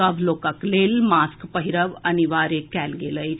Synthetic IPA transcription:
əʋlokəklelmaskpəɦiɾəʋəniʋaɾekælɡeləj

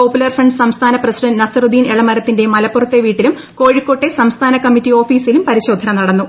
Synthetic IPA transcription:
oːpːulɐrfrɐɳɖsɐmst̪ʰaːnɐprɐsiɖɐnnɐsɐrud̪ʱiːneɭɐmɐɾɐt̪ːinde̞mɐlɐpːurɐt̪ːeʋiːʈːilum | ko̞ːɻikːo̞ːʈːe̞sɐmst̪ʰaːnɐkɐmːitːio̞ːfiːsilumpɐɾiɕo̞ːd̪ʱːɐnɐmnɐɽɐnːu

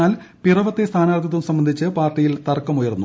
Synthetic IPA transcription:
aːlpirɐʋɐt̪ːe̞st̪ʰaːnaːrt̪ːɐt̪ːumsɐmbɐnd̪ʱit͡ɕːɨpaːrʈːijilt̪ɐrkːɐmujɐɾunːu

